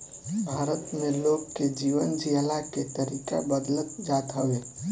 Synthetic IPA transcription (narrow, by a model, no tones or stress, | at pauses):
bʱaɾət̪meloɡked͡ʒiʋənd͡ʒiəlaket̪əɾika̰bəd̪lət̪d͡ʒat̪ɦəwe